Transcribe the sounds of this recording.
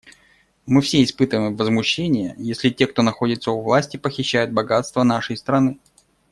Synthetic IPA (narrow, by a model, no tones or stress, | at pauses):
mɨfsʲeɪspɨt̪əvəmvːəzmʊɕːenʲɪjəjesʲlʲɪtʲe̞k̚t̪o̞nɐxo̞dʲɪt̪səʊvlˠasʲtʲɪpəxʲɪɕːæjʊd̪̚bɐɡat̪st̪vənaʂəjst̪ɾɐnɨ